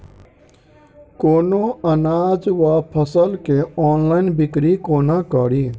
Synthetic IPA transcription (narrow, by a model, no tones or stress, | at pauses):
koːnoənaːd͡ʒʋapʰəsəlkeɔːnlaːɪnbɪkɾikoːnakəɾi